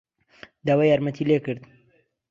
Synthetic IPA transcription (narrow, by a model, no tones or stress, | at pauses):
d̪awajaːɾmɐt̪ʰilekɨɾd̪